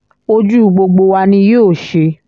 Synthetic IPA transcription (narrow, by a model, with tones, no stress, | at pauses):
o˧d͡ʒu˦˨ɡ͡bo˧ɡ͡bo˧wa˧nĩ˧joː˦˨ʃe˧